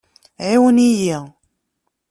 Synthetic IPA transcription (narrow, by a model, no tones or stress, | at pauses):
ʕiwəniji